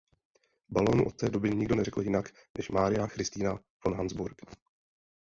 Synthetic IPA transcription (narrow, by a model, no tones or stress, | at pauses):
balo̞ːnṵʔo̞t̪̚t̪ɛːdo̞bɪɲɪɡdo̞nɛrɛkl̩jɪnak | nɛʃmaːɾɪjaxɾɪst̪iːna | vonɦanzbuɾk